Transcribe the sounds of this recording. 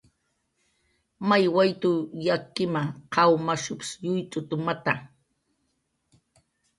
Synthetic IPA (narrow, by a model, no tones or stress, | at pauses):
majwajt̪ʊjakːɪmaqɑwmaʃʊpsjʊjt͡sʼʊt̪ʊmat̪a